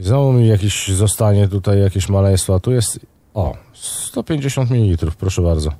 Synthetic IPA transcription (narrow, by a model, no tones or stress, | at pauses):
zɔumijakʲiɕzɔst̪aɲɛt̪ut̪ajːakʲeɕmalɛj̃st̪fɔat̪ujɛst̪ | ɔ̰ | st̪ɔpʲjeɲd͡ʑeɕɔnt̪mʲilʲilʲit̪ɾufpɾɔʂɛbaɾd̪zɔ